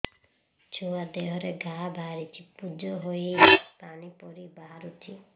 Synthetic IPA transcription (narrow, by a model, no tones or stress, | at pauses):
t͡ʃʰuad̪eɦɔɾeɡʱaɦbʱaɾit͡ʃʰipud͡ʒɔɦoepanipɔɾibaɦaɾut͡ʃʰi